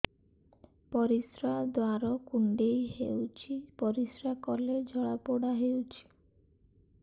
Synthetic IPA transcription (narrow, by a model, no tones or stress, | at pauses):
pɔɾisɾad̪waɾɔkuɳɖejɦewt͡ʃʰipɔɾisɾakɔled͡ʒʱɔɭapoɽaɦewt͡ʃʰi̥